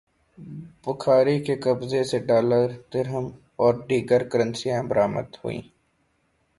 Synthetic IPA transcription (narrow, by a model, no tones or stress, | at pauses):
bʊkʰaːɾikekəbzeseɖaːləɾd̪ɪɾɦəm | ɔːɾɖiːɡəɾkəɾə̃nsijãbəɾaːmə̰d̪ho̰ːḭ̃ː